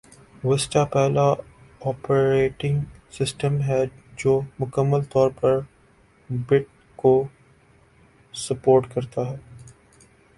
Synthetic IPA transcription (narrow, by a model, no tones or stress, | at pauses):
ʋɪsʈapɛɦla | ɔːpəɾeːʈɪ̃ŋɡsɪsʈəmɦɛd͡ʒoːmʊkəmːəlt̪ɔːɾpɐɾ | bɪʈ̚ | ko | sɐpoːɾʈkɐɾt̪aɦɛː